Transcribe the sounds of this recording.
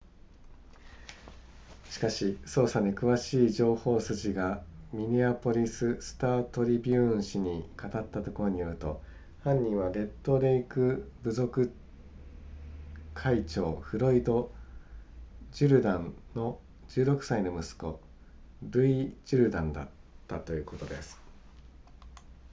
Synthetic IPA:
ɕi̥kaɕiso̞ːsanekɯ̟βaɕiːd͡ʑo̞ːho̞ːsɨʑiɡamʲiɲʲiapo̞ɾʲisɨsɨ̥t̪aːt̪o̞ɾʲibʲɯ̃ɕiɲ̟ikat̪at̪ːat̪o̞ko̞ɾo̞ɲ̟ijo̞ɾɯ̟t̪o̞̰ | hãɲ̟ːĩɰ̃βaɡe̞t̪ːo̞ːd̪e̞ikɯ̟bɯ̟zo̞kɯ̟ | kʰait͡ɕo̞ːɸɯ̟ɾo̞id̪o̞ | d͡ʑɨɾɯ̟d̪ãnno̞ | d͡ʑɨːɾo̞kɯ̟̥saino̞mɯ̟sɨ̥ko̞̰ | ɾɯ̟id͡ʑɨɾɯ̟d̪ãnd̪a̰t̪ːat̪o̞jɯ̟ːko̞t̪o̞d̪e̞sɨ̥

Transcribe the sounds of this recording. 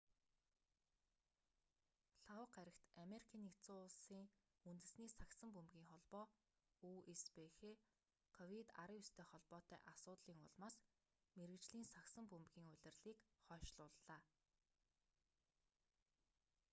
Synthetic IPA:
ɬawqæɾʲɪ̆xt̪ameɾikʰaːnikt͡sʊːsiːŋ | unt̪ɘ̆sniːsaksə̆mpumɣʲiːŋχɔɮpɔː | uːespexeː | kʰɔwit̪a̰ɾəjust̪ʰeːχɔɮpɔːt̪œ̰ːʔasʊːt̪ɮiːŋʊ̰ɮmaːs | meɾɘ̆kt͡ɕɮiːnsaksə̆mpumɣiːŋʊɮʲɪ̆rɮiːkχɔːʃɮʊːɮːaː

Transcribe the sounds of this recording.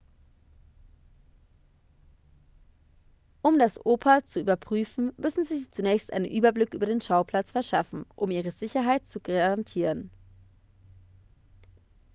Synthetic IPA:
ʔʊmdasʔoːpʰɐt͡suʔyːbɐpʁ̥yːfn̩mʏsn̩ziːzit͡sunɛːçstʔa̰ɪnənʔyːbɐblɪkʔyːbɐdeːnʃaʊpʰl̥at͡sfɛɐʃafn̩ʔʊmʔiːʁəzɪçɐɦaɪt̚t͡suɡaʁantʰiːʁən

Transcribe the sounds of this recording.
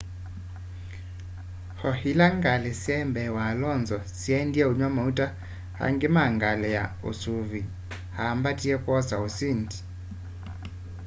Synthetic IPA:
hɔhilaŋɡalɛsɛmbɛwalɔnzɔsiɛndiɛuɲwamautʼa | ha̰ŋɡemaŋɡalɛja̰ | o̰suvi | hambatʼiɛkʼwɔzaosinti̥

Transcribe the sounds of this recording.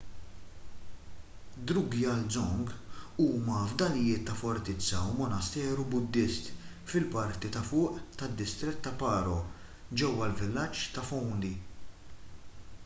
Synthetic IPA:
d̪ɾuɡiɐlzɔŋɡuːmɐvd̪ɐlɪjɪːt̪ːɐfɔɾt̪ɪt͡sːɐwmɔnɐst̪ɛːɾubʊd̪ːɪst̪ | fɪlpɐɾt̪it̪ɐfʊːʔt̪ɐd̪ːɪst̪ɾɪt̪ːɐpɐːɾɔ | d͡ʒɛwːɐlvɪlːɐt͡ʃːt̪ɐfɔwnd̪i

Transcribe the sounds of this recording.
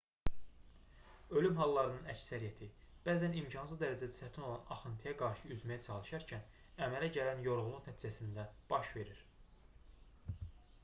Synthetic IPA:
ø̞lymɦɑlˠːɑɾɯnɯnæ̰csæɾijæt̪ʰi | b̥æːzænimcʰɑnsɯzd̪æɾæd͡ʒæd̪æsæt̪ʰino̞lˠɑnɑ̰χɯnt̪ʰijæɡɑɾʃɯyzmæjæt͡ʃʰɑlˠɯʃɑɾcʰæn | æmælæɟælænjo̞ɾʁulˠuχnæt̪ʰiːd͡ʒæsind̪æb̥ɑʃve̞ɾiɾ̥

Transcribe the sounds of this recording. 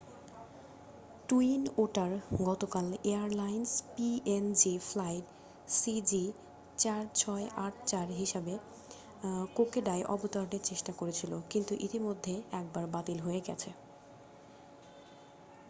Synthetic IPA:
ʈuinoʈaɾɡɔt̪okaleaɾlajnspiʔend͡ʑiflajʈ | sid͡ʑi | t͡ɕaɾt͡ɕʰɔeʔaʈt͡ɕaɾɦiʃabe | kokeɖaeʔɔ̰bot̪aɾoneɾt͡ɕeʃʈakoɾet͡ɕʰilokint̪uʔit̪imod̪ʱːeɛk̚baɾbat̪ilɦoeɡɛ̰t͡ɕʰe

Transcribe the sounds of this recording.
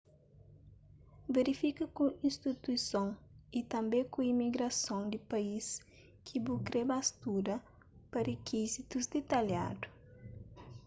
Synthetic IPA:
veɾifikɐkuĩnst̪it̪uisõŋit̪ɐ̃mbẽkuimiɡɾɐsõwd̪ipɐis | kʰibukɾebast̪uɾɐ | pɐɾekʰizit̪uzd̪et̪ɐlja̰d̪u̥

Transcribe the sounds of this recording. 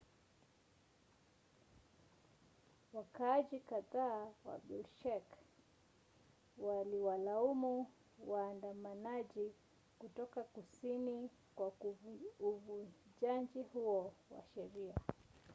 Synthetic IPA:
wakaaʄikaðaːwa̰ɓulʃɛk | waliwalaumu | waːndamanaʄi | kutɔkakusini | kwa | uvud͡ʒand͡ʒihuɔwa̰ʃɛɾia

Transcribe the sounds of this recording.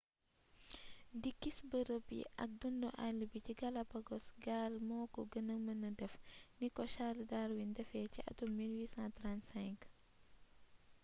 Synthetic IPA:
dikːisbəɾəpḭʔɐ̰k̚dundɔʔalːibiciɡɐlɐbɐɡɔsɡaːlmɔːkɔɡənəmɐnɐdɛfnikɔʃaldaɾwindɛfɛːciʔɐ̰tumilwiːsãntɾansɛ̃ŋk

